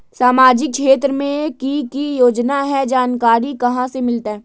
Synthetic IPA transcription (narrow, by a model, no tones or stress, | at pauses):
saːmaːd͡ʒɪk̚ʃeːt̪ɾəmẽkikijoːd͡ʒnaɦɛd͡ʒaːnkaːɾikɐɦãsemɪlt̪aɦɛː